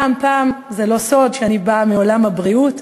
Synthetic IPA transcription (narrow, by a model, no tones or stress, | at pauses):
mpaːmzelo̞so̞dʃeanibamiolamhabʁiut